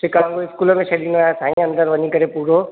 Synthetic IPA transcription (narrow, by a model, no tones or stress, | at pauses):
sɪkãːŋɡoɪskuːləmẽʃɐlinaːjasʰaːɦĩɐ̃nd̪əɾʋɐɲikɐɾepuːɾo